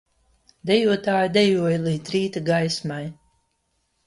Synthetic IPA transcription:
d̪ɛjuɔt̪aːjd̪ɛjuɔjlˠiːt̪ɾiːt̪aɡajsmaj

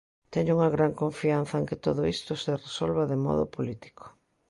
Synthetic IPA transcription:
t̪ɛɲʊuŋɐɣɾaŋkõɱfian̟θɐeŋkɪt̪oðʊist̪ʊseresolβɐðɪmɔ̰ðʊ̰polit̪i̥kʰo̥

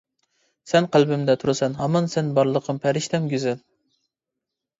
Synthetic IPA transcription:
sɛnqʰælˠbɪmd̪ɛt̪ʰuɾɨsɛnɦɑmɑnsɛnbɑɾlˠəqʰəmpʰæɾɪʃt̪ʰɛmɡʲyzɪl

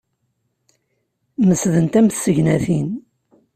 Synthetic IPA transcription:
məsðənt̪æmθsəʝnæθin

